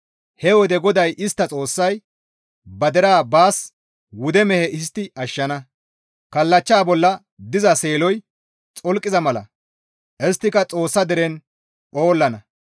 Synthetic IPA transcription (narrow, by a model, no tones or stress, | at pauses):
hɛwɔd̪ɛɡɔd̪ɐjʔɪst̪ːɐt͡sʼo̞ːsːɐj | bɐd̪ɛɾaːbaːs | wʊd̪ɛmɛhɛʔɪs̬t̪ːɪʔɐʃːɐnɐ | kɐlːɐt͡ʃːaːbɔlːɐ | d̪ɪzɐse̞ːlɔj | t͡sʼɔlkʼːɪzɐmɐlɐ̰ | ʔɛst̪ːɪkɐt͡sʼo̞ːsːɐd̪ɛɾɛn | po̞ːlːɐnɐ